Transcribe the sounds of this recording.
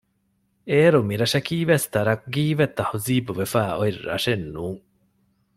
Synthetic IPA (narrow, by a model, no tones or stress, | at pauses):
eːɾumiɾɐʃɐkiːʋest̪ɐɾɐkɡiːʋet̪ːɐhuziːbuʋefæːoirːɐ̰ʂenːuːŋ